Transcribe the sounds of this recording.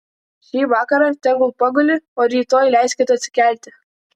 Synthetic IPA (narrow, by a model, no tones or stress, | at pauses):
ʃʲiːʋɑːkɐɾɑt̪ʲɛɡʊlˠpɐɡʊlʲɪoːɾʲiːt̪oːjlʲæˑɪsʲkʲeːt̪ʊɐt̪ʲsʲɪ̥kʲæˑlʲˑt̪ʲɪ